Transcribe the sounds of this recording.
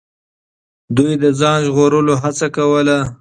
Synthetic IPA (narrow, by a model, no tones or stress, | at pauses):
d̪ujd̪əd͡zɑnʒɣoɾəloɦat͡sakawəla